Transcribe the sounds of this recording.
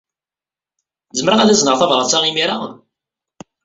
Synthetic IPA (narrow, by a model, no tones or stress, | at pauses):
zəmɾaæðæznəʁθɑvɾˤɑt͡sːaʁimiɾa